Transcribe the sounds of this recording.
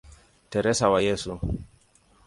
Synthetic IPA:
tɛɾɛsawajɛsu

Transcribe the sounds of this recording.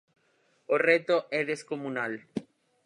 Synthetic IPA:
oret̪oɛðeskomũnal

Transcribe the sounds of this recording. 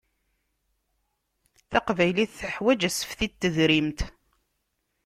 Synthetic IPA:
θaqvæjliθθəħwæd͡ʒæsə̥fθit̪ːəðɾimt̪

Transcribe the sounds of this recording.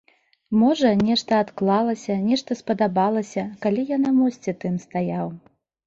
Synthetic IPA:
mɔʐɐnʲɛʂt̪ɐːt̪klˠalˠɐsʲɐnʲɛʂt̪ɐspɐd̪abalˠɐsʲɐkalʲijanamɔsʲt͡sʲɛt̪ɨmst̪ajaw

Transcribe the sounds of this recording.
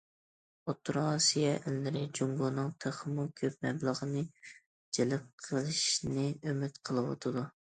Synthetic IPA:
ot̪ʰːɾsijɛʔɪlːɪɾɪd͡ʒuŋɡunɨŋt̪ʰeχəmukʲʰøp̚mɛblˠəʁənɨ | d͡ʒelɪp̚qʰəlˠɨʃnɨømɪt̪qʰəlˠɨwɑ̰t̪ʰɨd̪u

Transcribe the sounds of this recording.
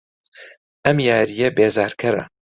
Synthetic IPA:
ʔɐmjaːɾijɐbeːzaːɾkʰɐɾɐ̰

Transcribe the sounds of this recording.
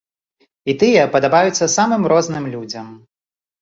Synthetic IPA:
it̪ɨjɐpɐd̪abajut̪sːɐsamɨmɾɔznɨmlʲud͡zʲɐm

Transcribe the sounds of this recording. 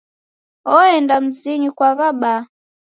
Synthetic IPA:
ɔɛndam̩ziɲikwaβaɓa

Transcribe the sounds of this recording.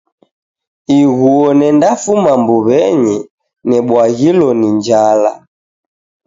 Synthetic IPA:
iɣuɔnɛndafumambuβɛɲɛ | nɛɓwaɣilɔniɲd͡ʒala̰

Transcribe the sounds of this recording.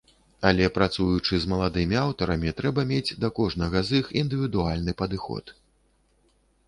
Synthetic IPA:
ɐlʲɛpɾat̪sujut͡ʂɨzmɐlˠad̪ɨmʲiawt̪ɐɾɐmʲit̪ɾɛbɐmʲed͡zʲd̪ɐkɔʐnɐɣɐzɨxind̪ɨvʲid̪ualʲnɨpɐd̪ɨxɔ̰t̪

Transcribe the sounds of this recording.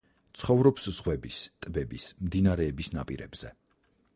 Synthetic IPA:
t̪sʰχɔvɾɔpsz̥ʁwɛbist̪ʼbɛbismd̪inaɾɛːbisnapʼḭɾɛ̰bz̥ɛ

